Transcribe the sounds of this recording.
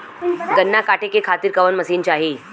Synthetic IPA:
ɡənːakaʈʰekekʰat̪iːɾkəʋənməsiːnt͡ɕaɦi

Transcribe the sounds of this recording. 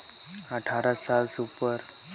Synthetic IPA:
əʈʰaɾasalsupəɾ

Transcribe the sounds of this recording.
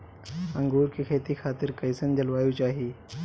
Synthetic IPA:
ə̃ŋɡuːɾkikʰeːt̪ikʰaːt̪ɪɾkɐjsənd͡ʒəlʋaːjut͡ʃaːɦi

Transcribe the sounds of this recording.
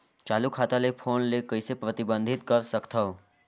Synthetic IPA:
t͡ʃalukʰat̪alepʰonlekəisepɾət̪ɪbənd̪ʱɪt̪̚kəɾsəkt̪ʰəʋ

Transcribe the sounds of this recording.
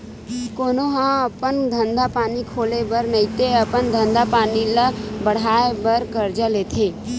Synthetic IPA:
koːnoɦãəpənd̪ʱə̃nd̪apaːnikʰoːlebəɾnəĩt̪eəpənd̪ʱə̃nd̪apaːniləbəɽ̤aːebəɾkəɾd͡ʒalet̪ʰeː

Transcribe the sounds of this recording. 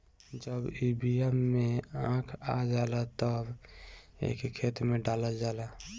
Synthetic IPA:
d͡ʒəbibiɛmːeãkʰad͡ʒalat̪əb | ḛkkʰet̪mẽɖaləld͡ʒala

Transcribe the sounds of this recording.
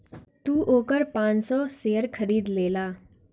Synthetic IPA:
t̪uːʔoːkəɾpãnsɔseəɾkʰəɾiːd̪lelaː

